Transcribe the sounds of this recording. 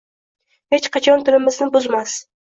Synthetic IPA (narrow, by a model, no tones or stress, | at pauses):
he̞t͡ʃqʰɑt͡ʃʰɒnt̪ʰʊlɪmɪznɪbʊzmas